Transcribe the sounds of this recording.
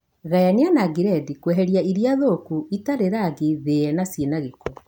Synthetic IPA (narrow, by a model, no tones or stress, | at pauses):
ɣajaneanaɡiɾɛdikwɛɦɛɾjaiɾjaðokuitaɾeɾaɡiðeɛnasienaɣekɔ